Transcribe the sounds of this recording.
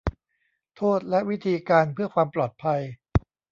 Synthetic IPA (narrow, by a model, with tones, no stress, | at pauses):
t̪ʰoː˥˩t̪̚lɛ˦˥ʔwi˦˥t̪ʰiː˧kaː˧npʰɯ˥˩ɐkʰwaː˧mplɔː˨˩t̪̚pʰa˧j